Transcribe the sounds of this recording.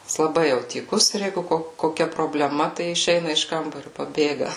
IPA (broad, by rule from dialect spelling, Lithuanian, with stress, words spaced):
jɪs lˠɐˈbɐɪ ˈjɛʊ tʲiːˈkʊs ɪr ˈjɛɪɡʊ ˈkoː koːˈkʲɛ proːbʲlʲɛˈmɐ tɐɪ ɪʃʲˈɛɪnɐ ɪʃ ˈkɐmbɐrʲʊ pɐˈbʲeːɡɐ